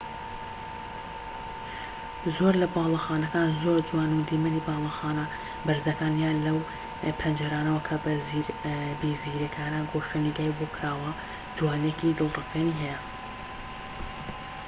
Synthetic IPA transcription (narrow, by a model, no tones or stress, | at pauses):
zoɾlɐbaːlˠɑxaːnɐkaːnzoːɾd͡ʒuwaːnud̪imɨnibɑːlˠɑxaːnɐ | bɐɾzɐkaːnjaːnlɐw | pʰɐnd͡ʒɐɾaːnɐwɐkʰɐbɐzbiːziɾekʰaːnaɡoʃɨniɡaːjbokʰɾaːwɐ | d͡ʒuwaːnekid̪ɨlˠrɨfeniːɦɛjɛ